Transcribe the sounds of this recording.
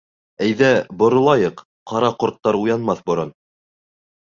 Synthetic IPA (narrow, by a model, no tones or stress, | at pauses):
æjðæbŏɾŏlˠɑjɤq | qːɑɾɑqŏɾt̪ːɑɾujɑnmɑθbŏɾon